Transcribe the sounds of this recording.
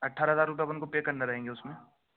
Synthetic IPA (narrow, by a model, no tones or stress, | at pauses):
ɐʈʰːaːɾɦəzaːɾːʊp̬ebʊnkopeːkɐɾnaɾɐɦẽːŋɡeʊsmẽː